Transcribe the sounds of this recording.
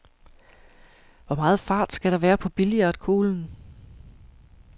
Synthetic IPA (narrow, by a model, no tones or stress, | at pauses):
ʋɒmɑ̈ːð̞̩ˠfɑ̈ːd̥sɡ̥æɾ̥ɑ̈ʋæːɐpʰɒ̽b̥iliɐd̥kʰo̝ːln̩